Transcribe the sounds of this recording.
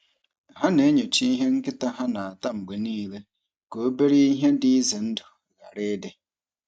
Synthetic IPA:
ɦa˦ne˨˦ɲo˨t͡ʃi˦i˦ɦe˦ŋ̩˦kɪ˦ta˦ɦa˦na˨a˨ta˦ŋ͡m̩˨ɡ͡be˨niː˦le˦ | ko˨˦be˦ɾi˦i˦ɦe˦dɪ˦i˦zɪ˨n̩˦dʊ˨ | ɣa˨ɾe˦de˦

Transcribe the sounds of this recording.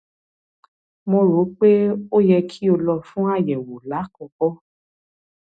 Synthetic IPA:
mo˧ɾo˨˦k͡pe˦o˦jɛ˧kʰi˦o˧lɔ˧fũ˦a˦˨jɛ˨wo˨la˨˦kɔ˧kɔ˦

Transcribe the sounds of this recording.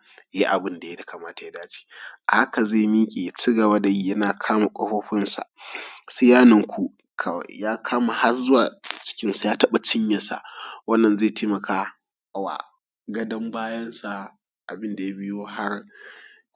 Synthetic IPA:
ji˦ʔa˨bɪ˦nda˨ja˦tḁ˨kaː˨maː˦ta˨ja˦daː˦t͡ʃi̥ː˦ʔa˨ha˦ka˨zeː˦˨miː˦kʲʼeː˨ja˨t͡ʃi˦ɡɐ˨baː˦da˨jiː˦jɐ˦naː˨kʰaː˦ma˨kʷʼɐ˦ɸoː˦ɸɪ˦nsa̰˨se˦jaː˦nɐ˨ŋkʷu˦ | kʰa̰˨jaː˦kʰaː˦ma˨ha˦zʊ˦waː˨t͡ʃɪ̥˦kʲɪ˦nsa˨jaː˦tɐ˦ɓa˨t͡ʃɪ˦ɲjɐ˨nsa̰˨wɐ˦nːɐ˨nzeː˦˨tʰeː˦mɐ˨kaː˦˨ | wa̰˨ | ɡɐ˦dɐ˦mbaː˦jɐ˦nsa˨ | ʔa̰˨bɪ˦nda˨ja˦bɪ˦joː˦ha˦r

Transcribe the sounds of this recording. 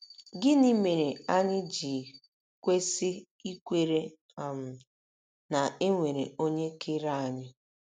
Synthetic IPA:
ɡɪ˦ni˦me˨ɾe˨a˦ɲɪ˦d͡ʒi˨ | kʷe˦sɪ˦ | i˦kʷe˦ɾe˦˨ | m̩˨ | na˨e˦ŋʷe˨ɾḛ˨o˦ɲe˦kʰeɪ˦ɾa˦˨a˨ɲɪ˦

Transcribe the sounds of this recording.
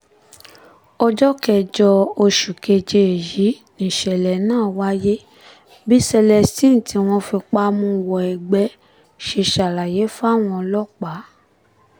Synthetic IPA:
ɔ˧d͡ʒɔ˦kɛ˧˨d͡ʒɔ˧o˧ʃu˨ke˧d͡ʒe˧e˨ji˨˦ | nĩ˨ʃɛ˨lɛ˨nãː˦˨wa˦je˦ | bi˦sɛ˧lɛ˧˨stĩ˦˨n˨ti˨˧w̃ɔ̃˧fi˧k͡pa˦mũ˧wɔ˨ɛ˨ɡ͡bɛ˨˦ | ʃe˧ʃa˨la˨je˨˦fa˦˨w̃ɔ̃˧lɔ˦k͡pa˨˦

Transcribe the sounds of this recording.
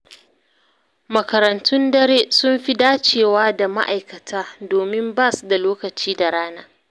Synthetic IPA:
mɐ˨kɐ˨ɾɐ˨ntʊ˦ndɐ˦ɾeː˦sʊ˦mɸi˦daː˦t͡ʃeː˨waː˦da˨ma̰˦ʔa˨jkɐ˨tʰaː˦doː˨mɪ˦mbaː˦˨su˨da˨loː˦kɐ˨t͡ʃiː˦da˨ɽaː˦naː˦

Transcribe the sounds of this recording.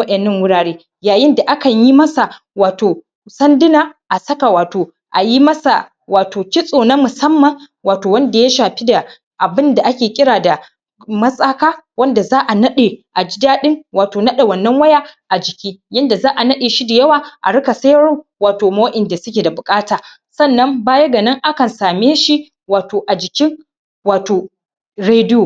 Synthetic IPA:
wɐ˦ɗɛ˨nːɐ˦ŋwʊ˦ɽaː˨ɽeː˦ | jaː˨jɪ˦nda˨ʔa˦kɐ˨ɲji˦mɐ˦sa˨ | waː˨toː˨ | sɐ˦ndɪ˦naː˨ʔa˨sɐ˦ka˨waː˨toː˨ | ʔa˨ji˦mɐ˦sa̰˨ | waː˨toː˨kʲɪ˦sʼoː˨na˦mʊ˨sɐ˦mːɐ˨ŋ | waː˨toː˨wɐ˦nda˨ja˦ʃaː˨ɸi˦da˨ | ʔa˨bɪ˦nda˨ʔa˦kʲeː˨kʲʼɪ˦ɽaː˨da˨ | mɐ˦sʼaː˦kaː˦wɐ˦nda˨zaː˦ʔa˨nɐ˦ɗe˨ʔa˨d͡ʒɪ˦daː˦ɗɪ˦ŋwaː˨toː˨nɐ˦ɗa˨wɐ˨nːɐ˦ŋwɐ˦jaː˦ʔa˨d͡ʒɪ˨kʲiː˦jɐ˦nda˨zaː˦ʔa˨nɐ˦ɗeː˨ʃi˦da˨jɐ˦waː˨ʔa̰˨ɽʊ˦ka˨sɐ˦jɽoː˦waː˨toː˨moː˦ʔɪ˨nda˨sʊ˦kʲe˨da˨bʊ˨kʼaː˦taː˨ | sɐ˦˨nːɐ˦mbaː˦jɐ˦ɡa˨nɐ˦ŋʔa˦kɐ˨nsaː˨meː˦ʃi˦ | waː˨toː˨ʔa˨d͡ʒɪ˨kʲɪ˦ŋ | waː˨toː˨ | ɽeː˦dɪ˦joː˨

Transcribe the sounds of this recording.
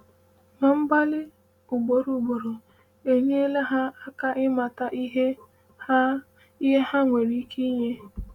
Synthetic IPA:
ma˨m̩˦ba˦lɪ˦ | u˨ɡ͡bo˨ɾu˨ɡ͡bo˨ɾo˨ | e˨ɲe˦e˦le˦ɦa˦a˦ka˦ʔɪ˦ma˨ta˦ʔi˦ɦe˦ | i˦ɦe˦ha˦ŋʷe˨ɾi˦kʰi˦ɲe˦

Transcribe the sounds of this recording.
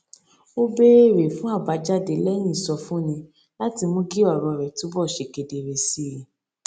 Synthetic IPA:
o˦be˦ɾe˦˨ɾe˨fũ˦a˦˨ba˨˦d͡ʒa˦˨de˨˦lɛ˦j̃ĩ˦˨sɔ˧fũ˦nĩ˧ | la˦ti˧mũ˦ɡi˦ɔ˦˨ɾɔ˧˨ɾɛ˨tu˨˦bɔ˦˨ʃe˨ɡe˨de˨ɾe˨si˦ji˨

